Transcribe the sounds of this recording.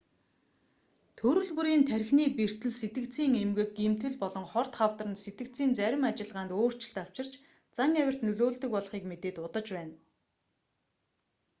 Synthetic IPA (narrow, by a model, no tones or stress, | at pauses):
t̪ʰɵɾɵ̆ɮpuɾiːnt̪ʰæɾʲxniːper̥t̪ɘ̆ɮset̪ɡɘ̆kt͡sʰiːŋemɡɘ̆kːim̥t̪ʰɘ̆ɮpɔɮɞ̆ŋχɔr̥t̪χaw̥t̪ə̆rə̆nset̪ɡɘ̆kt͡sʰiːnt͡sæɾʲɪ̆mat͡ɕɪ̆ɮʁaːnt̪oːr̥t͡ɕɪ̆ɬt̪aw̥t͡ɕɪ̆r̥t͡ɕ | t͡saŋæwʲɪ̆r̥t̪nɵɮoːɮt̪ɘ̆k̚pɔɮ̆χiːkmet̪eːt̪ʊt̪ə̆t͡ɕpæːn